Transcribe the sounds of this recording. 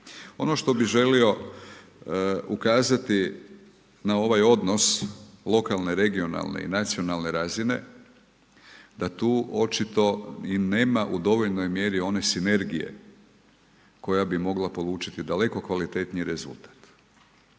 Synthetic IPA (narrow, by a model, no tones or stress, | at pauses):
o̞̰no̞ʃt̪o̞biʒe̞lio̞ | ukaːzat̪i | nao̞ʋajo̞d̪no̞slˠo̞kalˠne̞ɾe̞ɡio̞na̰lˠnḛḭnat̪sio̞nalˠne̞ɾaːzine̞̰ | d̪at̪uːo̞t͡ʃit̪o̞ine̞ːmaʔud̪o̞ʋo̞ʎno̞jmje̞ɾio̞ne̞sine̞ɾɡijḛ | ko̞jabimo̞ɡlapo̞lˠuːt͡ʃit̪id̪ale̞ko̞kʋalit̪e̞t̪niɾe̞zṵlˠt̪ḁt̪